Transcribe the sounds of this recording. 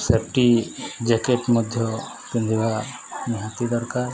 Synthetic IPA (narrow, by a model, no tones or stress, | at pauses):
sepʰʈid͡ʒekeʈmɔd̪ʱjɔ | pĩnd̪ʱiba | niɦat̪id̪ɔɾkaɾ